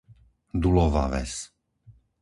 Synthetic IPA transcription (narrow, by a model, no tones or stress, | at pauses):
d̪ulɔva̰vɛ̰s